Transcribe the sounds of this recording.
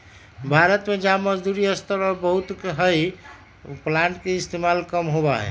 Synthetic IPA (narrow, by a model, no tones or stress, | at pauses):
bʱaɾət̪med͡ʒaməd͡ʒd̪uɾiəst̪əɾbəɦut̪ɦəj | plaɳʈkeist̪emalkəmɦobaɦɛ̰